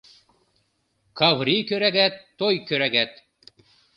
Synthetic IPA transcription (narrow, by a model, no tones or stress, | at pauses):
kʰɑvɾikøɾæɡæt̪ːojkøɾæɡæt̪